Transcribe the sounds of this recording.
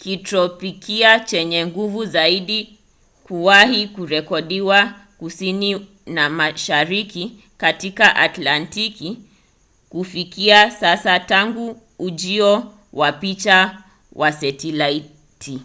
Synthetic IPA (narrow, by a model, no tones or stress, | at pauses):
kitɾɔpikʰiat͡ʃɛɲɛŋɡuvuzaiɗi | kuwahikuɾɛkɔɗiwa | kusini | namaʃaɾiki | katikaʔatlantiki | kufikiasasataŋɡuː | ʄiɔ | wapit͡ʃa | wʔasɛtilai | tʰi